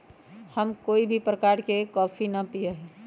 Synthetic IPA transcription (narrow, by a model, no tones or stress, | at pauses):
həmkoːibʱipɾəkaɾkekɔːpʰinəpijəɦɛ